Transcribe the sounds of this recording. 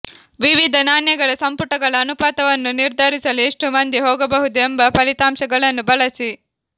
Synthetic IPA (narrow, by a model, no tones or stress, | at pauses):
ʋiʋid̪ʱɐnaːnjɐɡɐɭɐsɐmpuʈɐɡɐɭɐːnupaːt̪ɐʋɐnːuniɾd̪ʱaːɾisɐlieʂʈumɐnd̪ʱiɦɔːɡɐbɐɦud̪uembɐpɐlit̪aːmʃɐɡɐɭɐnːubɐɭɐsi